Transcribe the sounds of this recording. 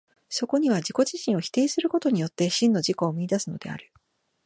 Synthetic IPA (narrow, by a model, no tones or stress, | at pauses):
so̞ko̞ɲ̟iβ̞ad͡ʑiko̞ʑiɕĩɰ̃o̞çʲi̥t̪e̞ːsɨɾɯ̟ko̞t̪o̞ɲ̟ijo̞t̪ːe̞ɕĩnːo̞ʑiko̞ːmiid̪asɨno̞d̪̥e̞̰a̰ɾɯ̟